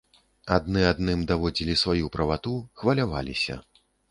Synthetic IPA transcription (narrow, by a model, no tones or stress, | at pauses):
ad̪nɨad̪nɨmd̪avɔd͡zʲilʲisvajupɾɐvat̪uxvɐlʲavalʲḭsʲɐ̰